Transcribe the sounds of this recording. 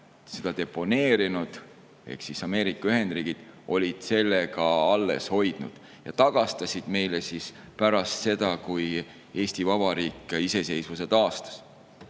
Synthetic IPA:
se̞d̪̥ɑd̪e̞pːo̞ne̞ːɾinud̪̥ | e̞̰hksisɑme̞ːɾikːˑɑyɦe̞nd̪riːɡ̥id̪̥o̞lʲid̪̥se̞lːekɑɑlːe̞̰sho̞jd̪̥nṵd̪̥ | jɑ̰t̪ɑɡ̥ɑst̪ɑsʲid̪̥me̞jlesis | pæɾɑst̪se̞d̪̥ɑkuj | e̞ːsʲt̪ivɑbɑɾiːkːˑise̞se̞jsvus̬e̞t̪ɑːst̪ɑ̥s

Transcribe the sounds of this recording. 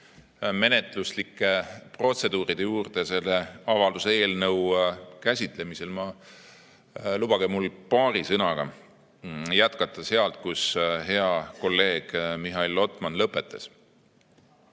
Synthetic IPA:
me̞ne̞t̪ˑluslikːˑepro̞t̪se̞d̪̥uːɾid̪̥e̞juːrd̪̥e̞se̞lːe̞ɑvɑld̪̥usee̞ːlnɤwkæsʲit̪ˑle̞mise̞lmɑ | lub̥ɑɡemulpɑːɾisɤnɑɡ̥ɑ | jæt̪kɑt̪ˑːɑse̞ɑlt̪̚kusɦe̞ɑko̞lːe̞ːɡ̥miɦɑilːo̞t̪ˑmɑnlɤpːˑe̞t̪ːˑɑs

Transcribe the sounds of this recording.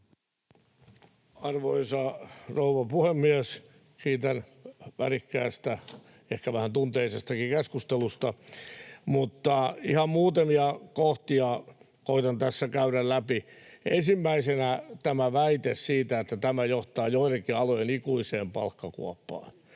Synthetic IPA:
ɑrʋoisɑrouʋɑpuhemːiæs | kiːt̪æn | ʋærikːæ̰ːst̪æ | ehkæʋæhænt̪unt̪eisest̪ɑkikeskust̪elust̪ɑ | mut̪ːɑihɑmmuːt̪emiɑkoht̪iɑ | koit̪ɑnt̪æsːækæyɾællæpiensimːæisenæt̪æmæʋæit̪essiːt̪æet̪ːæt̪æmæjoht̪ɑːjoirekiɑlojenikuiseːmpɑ̰lkːɑkṵɑpːɑ̰ːn

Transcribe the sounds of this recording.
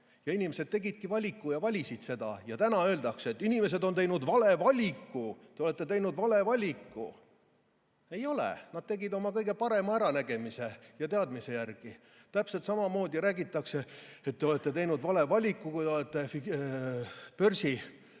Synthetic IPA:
jɑinimese̞d̪̚t̪e̞ɡid̪̥̚kivɑlʲikˑːujɑvɑlʲisid̪̥se̞d̪̥ɑ̰jɑt̪ænɑø̞ːld̪ɑkset̪ːˑinime̞se̞d̪o̞nt̪e̞jnud̪vɑle̞vɑlʲikːut̪eoet̪ˑːe̞t̪e̞jnud̪vɑle̞vɑlʲikːṵ | e̞jo̞lḛnɑd̪̥̚t̪e̞ɡid̪o̞mɑkɤjɡe̞pɑɾe̞mɑæɾɑnæɡ̥e̞mise̞jɑt̪e̞ɑd̪mise̞jærɡ̥i | t̪æpset̪sɑmɑmo̞ːd̪iɾæːɡit̪ːˑɑkse̞et̪ːe̞o̞le̞t̪ːˑe̞t̪e̞jnud̪vɑle̞vɑlʲikːukujt̪eolet̪ːe̞fi | pø̞rsi

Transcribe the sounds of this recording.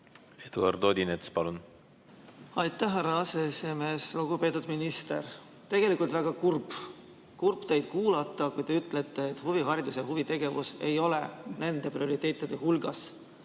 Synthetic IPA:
ed̪̥uɑ̰rd̪o̞ːd̪inet̪spɑlun | ɑjt̪ːˑæhɦæɾːɑɑseesime̞ːsluɡ̥upe̞ːt̪ːˑud̪minist̪e̞̰r | t̪e̞ɡe̞likult̪væɡ̥ɑkurb | kurpt̪ejd̪̥̚kuːlɑt̪ːˑɑkujt̪e̞yt̪ːˑlet̪ːˑe̞ːt̪ːˑhuviɦɑɾid̪useɦuvit̪e̞ɡ̥e̞vuse̞jo̞lene̞nd̪̥e̞prio̞ɾit̪ːˑe̞ːt̪ːˑid̪̥e̞ɦulɡ̥ɑs

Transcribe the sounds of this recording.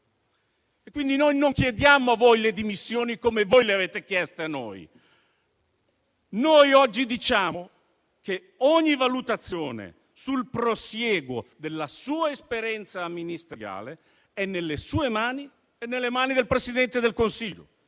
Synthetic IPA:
ekːwind̪inojnoŋkjed̪jamoavːojled̪imisːjoːnikomevojleaveːt̪ek̟jɛst̪eanːo̰j | nojɔd͡ʒːid̪it͡ʃaːo | k̟e | ɔɲːivalut̪at̪sːjoːnḛ | sulpɾosjɛːɡo̰d̪elːasuːaespeɾjɛnt̪samːinist̪eɾja̰ːle | ɛnːelːesuːemaːni | enːelːemaːnid̪elpɾesid̪ɛnt̪ed̪elkonsiʎːo̰

